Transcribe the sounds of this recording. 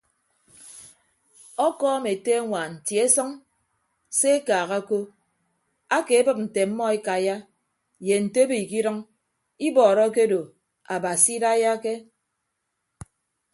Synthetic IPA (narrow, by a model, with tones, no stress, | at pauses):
ɔ˦kɔː˦me˨te˦a˦ŋʷa˨n̩˨tji˨e˦sɔ˦ŋ | se˦e˦kaː˨ɣa˦ko˦ | a˦ke˨˦bɨ˦p̚n̩˨te˨m̩˦mːɔ˦e˦ka˨ja˦ | je˨n̩˨te˦bi˨ki˦ɾɨ˦ŋ | i˦bɔː˨ɾɔ˦ke˦do˨ | a˨ba˨si˦da˦ja˦ke˦